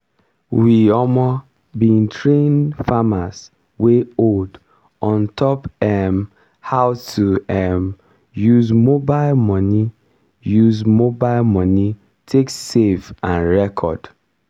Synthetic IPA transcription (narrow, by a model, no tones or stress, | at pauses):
wiɔmɔ | bĩntʰɹẽnfamas | weold | ɔ̃ntʰɔpɛm | haʊtʰuɛm | juzmobaɪlmɔ̃ni | juzmobaɪlmɔni | tʰeksefãnɹɛkʰɔ̰d̥